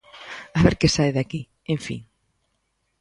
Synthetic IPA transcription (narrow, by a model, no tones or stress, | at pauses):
aβeɾkesajðaki | ẽɱfḭŋ